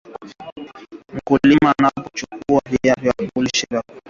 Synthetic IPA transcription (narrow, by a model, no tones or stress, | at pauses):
m̩kulimanapɔt͡ʃukuahijavjakuliʃɛɾa